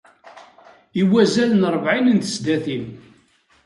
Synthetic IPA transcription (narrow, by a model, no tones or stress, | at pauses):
iwæzælənɾˤəvʕinənt̪ə̥sd̪æθin